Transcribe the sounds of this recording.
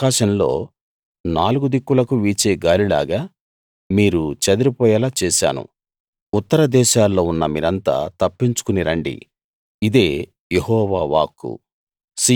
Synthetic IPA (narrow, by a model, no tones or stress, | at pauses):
aːʃɐmlo̞̰ː | naːluɡud̪ikːulɐkuʋiːt͡ʃeːɡaːɾila̰ːɡaː | miːɾut͡ʃɐd̪iɾipɔːjɐlaːt͡ʃɛːʃa̰ːnṵ | ut̪ːɐɾɐd̪ɛːʃaːlːo̞ːunːɐmḭːɾɐnt̪a̰ːt̪ɐpːiɲt͡ʃu̥kuniɾɐɳɖḭ | id̪e̞ː | jehɔːʋaːʋaːkːṵ | si